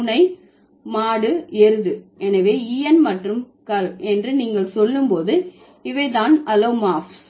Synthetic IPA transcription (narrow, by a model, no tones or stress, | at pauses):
nɐɪ | maːɽɯɛɾɯðɯɛnɐʋeːiːɛnmɐʈrɯm | kɐlɛndrɯniːŋɡɐɭsɔlːɯmpoːðɯ | ɪʋɐɪt̪̬aːnɐloːmaːfs